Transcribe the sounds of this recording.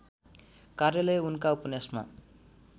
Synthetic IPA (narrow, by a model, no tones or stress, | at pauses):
karjʌlʌjunkaupʌnjasma̰